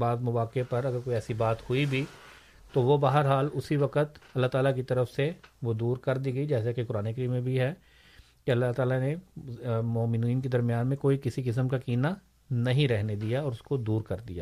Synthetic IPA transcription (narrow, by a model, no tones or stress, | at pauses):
baːzmʊʋaːkepɐɾɐɡəɾkoːiɛːsibaːt̪hʊibʱi | t̪oʋobaɦəɾɦaːlʊsiʋɐqət̪ɐlːaɦt̪aːlak̬it̪ɐɾəfseʋod̪uːɾkɐɾd̪iːɡəid͡ʒɛːs̬akekʊɾaːneːkɐɾiːmːẽbʱiɦɛ | keɐlːaɦt̪aːlane | mɔːmɪniːnked̪ɐɾmijaːnmẽkoːikɪsikɪs̬əmkakiːna | nɐɦĩɾɛɦned̪ijaɔːɾʊskod̪uːɾkɐɾd̪ija̰ː